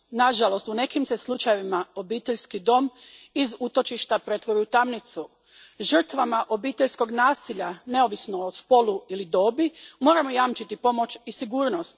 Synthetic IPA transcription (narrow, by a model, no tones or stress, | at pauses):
naʒalˠo̞st̪une̞kimse̞slˠut͡ʃaje̞ʋimao̞biːt̪e̞ʎʲskid̪o̞mizut̪o̞t͡ʃiʃt̪apɾe̞t̪ʋoɾujut̪amnit̪su | ʒər̩t̪ʋamaʔo̞biːt̪e̞ʎsko̞ɡnaːsiʎane̞o̞ʋisno̞ospo̞luilid̪o̞ːbimo̞ːɾamo̞jamt͡ʃit̪ipo̞mo̞t͡ʃisiɡuːɾno̞st̪